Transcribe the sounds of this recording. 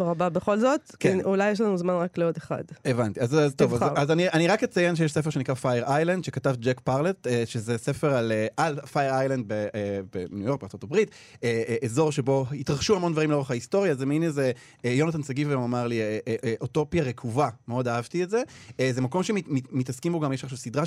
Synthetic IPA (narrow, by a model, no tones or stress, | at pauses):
ʁababeχo̞lzotkeulajeʃ̬lanuzmanʁakleodeχa̰devantiazazt̪ovazazaniʔaniʁaket͡sajenʃejeʃsef̬eʃenikʁafajeʁajland̪ʃe̞katavd͡ʒekpaʁlet̪eʃezesefeʁaleʔalfajeʁajland̪̚beebenujo̞ʁk̚beaʁt͡so̞t̪abʁit | eezo̞ʁʃe̞bo̞it̪ʁaχʃuhamo̞ndvaʁimleoaχaisto̞ʁjazemineze | jo̞nat̪̬ansaɡivɡamamaʁliʔʔʔoto̞pjaʁekʰuvameo̞daavtietzeezemako̞mʃemimimitaskimboɡamjeʃaχʃavsid̪ʁa